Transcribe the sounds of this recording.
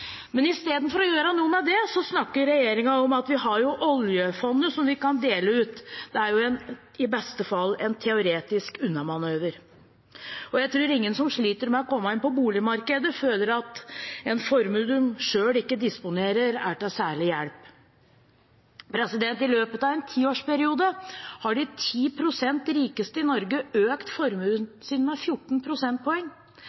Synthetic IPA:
mɛnɪst̪eːd̪n̩fɔɾɔjøːɾɑnuːənɑd̪ɛsɔsnɑkːəɾɾɛjeːɾɪŋɑɔmɑt̪ʋɪɦɑɾjʊʔɔljəfɔnːəsɔmʋɪkɑnd̪eːləʉːt̪d̪̥ɛæɾjʊɛn | ɪbɛst̪əfɑlːɛnt̪ʰɛʊɾeːt̪ɪskʉnːɑmɑnøːʋəɾ | ɔjæɪt̪ʰɾuːɾɪŋːənsɔmʂɭiːt̪əɾmɛɔkɔmːɑɪnpɔbuːlɪmɑɾkəd̪əføːləɾɑt̪ɛnfɔɾmʉləmʂøːɽɪkːəd̪ɪspʊneːɾəɾæ̰ʈɑsæːɭɪjæɽp | pʰɾɛsɪd̪ɛnt̪ɪløːpət̪ɑʋɛnt̪ʰiːoːʂpæɾɪuːd̪əhɑɖɪt̪ʰiːpʰɾʊsɛnt̪ɾiːkəst̪əɪnɔɾɡəøːkt̪fɔɾmʉlənsiːnmɛfjʊʈːɳ̩pʰɾʊsɛnt̪̚pʰɔɛŋː

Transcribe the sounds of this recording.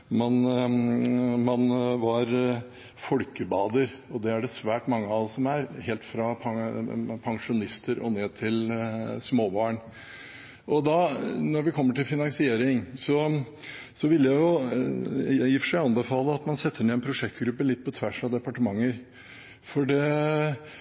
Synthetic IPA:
mɑn | mɑnʋɑɾ | fɔlkəbɑːd̪əɾ | ɔd̪ɛæɖɛsʋæːʈmɑŋːəɑɔsɔmæɾheːlt̪fɾɑpʰɑpʰɑŋʂʊnɪst̪ʰəɾɔ̰neːt̪ʰɪlsmoːbɑːɳ | ʔɔd̪ɑnɔɾʋɪkʰɔmːəʈɪlfɪnɑŋsɪeːɾɪŋsɔ | sɔʋɪlːjæɪjʊ | jɪfə̥ʂæɪɑnbəfɑːləɑt̪mɑnsɛt̪ʰːəɾnɪɛnpʰɾʊʂɛkt̪ɡɾʉpːəlɪt̪̚ːpʰɔt̪ʰʋæʂɑd̪ɛpɑʈəmɑŋːəɾ | fɔɖɛ

